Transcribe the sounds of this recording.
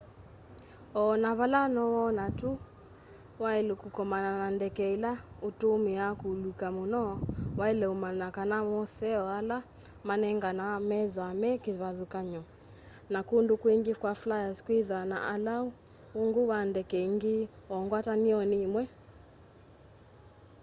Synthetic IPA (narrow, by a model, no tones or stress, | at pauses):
ɔnaβalanɔwɔnatu | waelekukɔmananandɛkɛilaotomiakulukamonɔwailɛomanakanamɔsɛɔala | manɛŋɡanamɛðwamɛkeðaðukaɲɔ | nakundokweŋɡikwaflajazkwiðana̰ʔalau | oŋɡowandɛkɛiŋɡi | ɔŋɡwataniɔniːmwɛ